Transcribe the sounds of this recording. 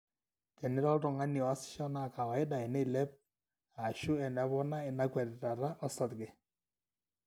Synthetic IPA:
kɛ˨nɪ˦ɾɔ˦ltɔ˨ŋa˦ni˨ɔ˨a˦sɪ̥˦ʃɔ˦na˦˨ka˨wa˨ɪ˦ɗa˨e˨nɛ˦˨lɛ˦p̚ | a˨ʃʊ˦ɛ˨na˨˦βɔ˦na˦e˨na˦kwɛ˨ɾɾa˨ɾa˦ʔɔ˦sa˨t̪ɡɛ˨

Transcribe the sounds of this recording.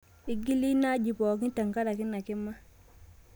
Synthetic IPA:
i˦ɡi˦li˦na˦ɟi˨pɔː˨k̬i˦ta˨ŋka˦da˨ki˦na˨kɪ˦mːa˦

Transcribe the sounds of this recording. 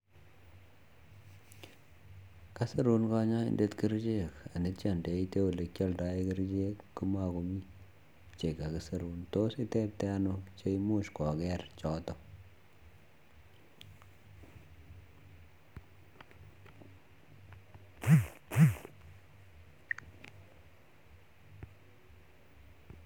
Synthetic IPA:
ka˦se˦ɾu˦nka˦ɲa˦ɪ̰˦nde˦tki˦ɾt͡ʃe˦ka˨nɪ˦tt͡ʃa˦˨nde˨i˦te˦u˨le˨kʲjɔ˦lda˦i˦ki˦ɾd͡ʒe˦kːu˦ma˦˨ko˨mi˦ | t͡ʃe˨ka˨kɨ˨se˨ɾu˦nto˦sɪ˦te˦p̚tɛ˦a˦nʊkt͡ʃe˦imu˦ʃkɔ˨kɛ˦rt͡ʃɔ˦tɔ˦

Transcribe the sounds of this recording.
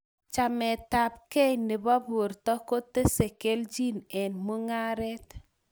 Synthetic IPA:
t͡ʃa˨mɛ˨ta˨p̚kɛ˦jnɪ˨bɔ˦bʊ˨ɾtɔ˦ko˦te˦se˨ke˦ld͡ʒi˦nɛ˨nmu˦ŋa˦ɾɛ˦t

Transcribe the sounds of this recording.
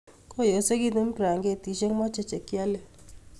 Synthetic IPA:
ko˦˨jo˨se˦ki˦t̪u˦m˦pɾa˨ŋɡe˦˨ti˨˦ʃe˦ŋmɔ˦t͡ʃe˦t͡ʃe˨kja˦le˨

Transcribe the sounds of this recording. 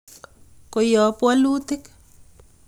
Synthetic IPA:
ko˨jɔ˨pwa˦lu˦t̪i˦k

